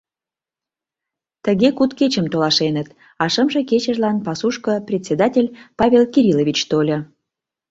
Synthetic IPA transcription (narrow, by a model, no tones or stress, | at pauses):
t̪əɣekut̪ket͡ɕəmt̪olɑʃenət̪ | ɑʃəmʒĕket͡ɕə̆ʒlɑnpɑsuʃkə̆prʲet̪ʲsʲed̪ɑtʲelʲpɑβʲelkiɾʲilovʲit͡ɕt̪olʲə